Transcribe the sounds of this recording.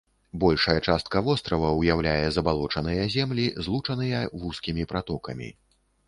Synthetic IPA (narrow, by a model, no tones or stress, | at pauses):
bɔlʲʂɐjɛt͡ʂast̪̚kɐvɔst̪ɾɐvɐwjawlʲajɛzɐbalˠɔt͡ʂɐnɨjɛzʲɛmlʲizlˠut͡ʂɐnɨjɛvuskʲimʲipɾat̪ɔkɐmʲḭ